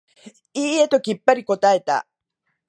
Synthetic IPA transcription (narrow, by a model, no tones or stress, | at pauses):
iːet̪o̞kʲipːaɾiko̞t̪ae̞t̪a̰